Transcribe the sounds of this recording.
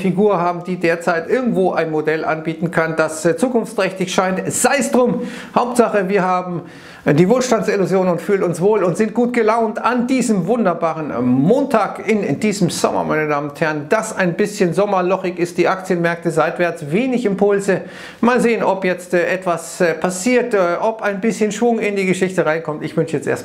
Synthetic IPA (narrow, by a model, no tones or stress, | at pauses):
fiɡuːɐhaːbm̩diːdeːɐt͡saɪtʔɪɐɡŋ̩tv̥oːʔaɪnmodɛlʔa̰nbiːtn̩kʰand̥ast͡suːkʊnft͡stʁ̥ɛçtɪçʃaɪntz̥aɪsd̥ʁʊmhaʊp̚tz̥aχəviːɐhaːbm̩ | d̥iːvoːlʃtant͡sɪluzjoːnʊntfyːlənʊnsv̥oːlʊntz̥ɪnt̚ɡ̥uːtɡ̥əlaʊntandiːzəmvʊndɐbaːʁənmoːntʰaːkɪnd̥iːzəmz̥ɔ̰mɐ̰ma̰ɪnədaːmənʊnthɛɐʁənd̥asaɪnbɪsçənzɔmɐlɔχɪçɪst̚d̥iːʔakt͡sjənmɛɐk̚təzaɪtv̥ɛɐt͡sveːnɪçɪmpʰʊlzə | maːlzeːənɔpjɛt͡stʔɛtv̥aspʰasiːɐtːʔɔpaɪnbɪsçənʃv̥ʊŋɪndiːɡəʃɪçtəʁaɪ̃nkʰɔmtɪçv̥ʏnʃəjɛt͡stʔḛɐt